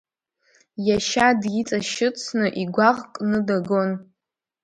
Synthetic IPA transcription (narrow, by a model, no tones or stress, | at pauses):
jaʃadjit͡sʼaʃɨt͡sʰnɨʔiɡʷaʁkʼnɨdaɡo̞n